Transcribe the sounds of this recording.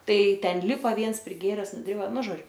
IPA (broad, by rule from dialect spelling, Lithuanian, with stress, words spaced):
ˈtɐɪ ˈtʲɛn ˈlʲɪpɐ ˈʋʲiɛns pʲrʲɪˈɡʲeːrʲɛs nʊˈdʲrʲɪbɐ ˈnʊ ˈʒoːd͡ʒʲʊ